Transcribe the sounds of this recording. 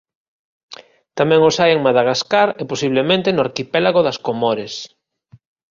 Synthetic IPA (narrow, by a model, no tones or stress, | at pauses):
t̪amɛ̃ŋosajeŋmaðaɣaskaɾeposiβ̞lemẽnt̪enʊaɾkipɛlaɣoðɐskomoɾes